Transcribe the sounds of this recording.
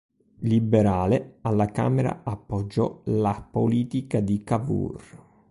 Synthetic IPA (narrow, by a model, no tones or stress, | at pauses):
libeɾaːlealːaka̰ːmɛɾa̰apːɔd͡ʒːɔ̰lapoliːt̪ikad̪ikavṵr